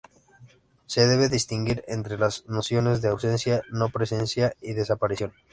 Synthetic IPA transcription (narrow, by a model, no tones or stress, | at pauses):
seðeβ̞eðist̪iŋɡiɾent̪ɾelaznosjo̞ne̞zðeawsẽnsjano̞pɾesensjaiðe̞sapaɾiθjõ̞n